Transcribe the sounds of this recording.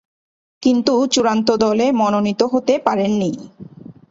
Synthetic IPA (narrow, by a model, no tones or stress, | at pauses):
kint̪ut͡ɕuɾant̪̬od̪ɔlemɔnonit̪oɦot̪epaɾenːi